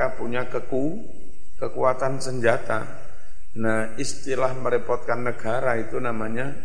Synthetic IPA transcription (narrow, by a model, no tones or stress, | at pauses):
apuɲakəku | kəkuat̪ansəɲd͡ʒat̪a̰ | nah | ist̪ilahməɾipɔt̪̚kanːəɡ̥aɾait̪unamaɲa